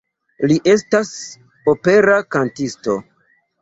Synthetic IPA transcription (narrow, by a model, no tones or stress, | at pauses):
liʔe̞stas | ope̞ɾakantisto̞